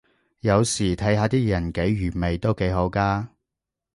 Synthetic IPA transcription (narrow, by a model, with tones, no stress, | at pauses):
jɐ˨˧wsiː˨˩t̪ʰɐ˨˥jhaː˨˧t̪iː˥jɐ˨˩nke˨˥jɥyː˨˩me˨jt̪o˥wke˨˥jɦo˨˥wkaː˥